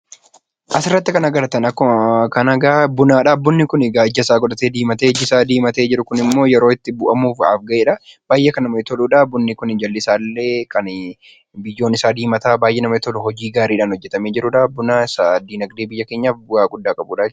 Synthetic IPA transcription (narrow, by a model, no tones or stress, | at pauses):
ʔɐsɪrːɐt̪ːɪkɐnɐɡɐɾɐt̪ɐnɐkːɔkɐnɐɡaːbʊnaːᶑabʊnːɪkʊnɪɡaːd͡ʒːɐsaːɡɔᶑɐt̪eːd̪iːmɐt̪eːd͡ʒɪsaːd̪iːmɐt̪eːd͡ʒɪɾʊkʊnɪmːo̞ːjɛɾo̞ːɪt̪ːɪbʊʔɐmuːfa̰ːfɡɐʔeːᶑɐb̥aːjːʔekɐnɐmɐɪt̪ɔluːᶑabʊnːɪkʊnɪd͡ʒɐlːɪsaːlːe̞ːkʰɐn | bɪjːo̞ːnɪsaːd̪iːmɐt̪aːbaːjʔeːnɐmɐɪt̪ɔlʊhɔd͡ʒiːɡaːɾiːᶑaːnhɔd͡ʒːɛt̪ɐmeːd͡ʒɪɾʊᶑabʊnaːɪsad̪iːnɐɡd̪eːbɪjːɐke̞ːɲːaːfbʊaːɡʊd̪ːaːkʼɐbuːᶑaːd͡ʒ